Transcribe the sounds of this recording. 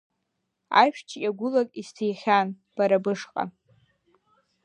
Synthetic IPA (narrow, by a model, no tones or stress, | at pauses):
a̰jʃt͡ʃʰʲaɡʷʊlakʼistʰejχʲan | b̥aɾabɨʂqʼa̰